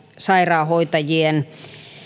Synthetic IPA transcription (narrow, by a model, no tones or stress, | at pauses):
sɑirɑːhoit̪ɑjien